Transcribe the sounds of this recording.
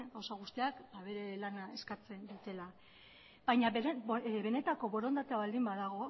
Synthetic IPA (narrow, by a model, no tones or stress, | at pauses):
ɡawsaɣ̞ust̪iakbaβe̞ɾe̞lanae̞skat͡se̞nd̪ut̪e̞la | bajɲaeβe̞ne̞t̪ako̞βo̞ɾo̞nd̪at̪eaβald̪imbaðaɣo̞